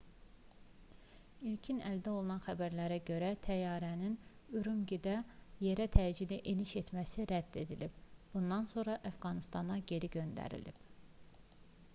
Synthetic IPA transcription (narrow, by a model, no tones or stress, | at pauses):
ilcʰinæld̪æo̞lˠunɑnχæbæɾlæɾæɟø̞ɾæt̪ʰæjɑːɾæninyɾumɟid̪æje̞ɾæt̪ʰæd͡ʒid̪iʔeniʃe̞t̪mæsiɾæd̪̥ːe̞d̪ilib̥b̥und̪ɑnso̞ɾɑʔæfɡɑnist̪ɑnɑɟe̞ɾiɟø̞nd̪æ̰ɾḭlḭb̥